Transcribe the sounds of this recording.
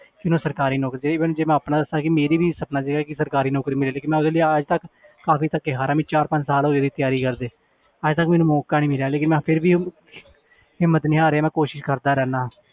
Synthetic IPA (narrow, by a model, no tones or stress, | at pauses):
kɪnũːsəɾkaːɾiːnɔːkɾid͡ʒeːmɛ̃ːnũd͡ʒeːmɛ̃ːaːpnãːd̪əsaːkɪmeːɾiːbiːsəpnaːd͡ʒeːɡaːkɪsəɾkaːɾiːnɔːkɾiːmɪlːleːkɪnmɛ̃ːʊd̪eːləiːəd͡ʒt̪ək | kaːfiːt̪əkːeːɦaːɾaːmĩːt͡ʃaːɾpə̃ɲd͡ʒsaːlɦoːeːd̪iːt̪ɪjaːɾiːkəɾd̪eː | əd͡ʒt̪əkmɛ̃ːnũːmɔːkaːnĩːmɪljaːleːkɪnmɛ̃ːpʰɪɾbiː | hɪmːət̪nɪ̃ːaːɾeːaːmɛ̃ːkoːʃɪʃkəɾd̪aːɾɛːnaː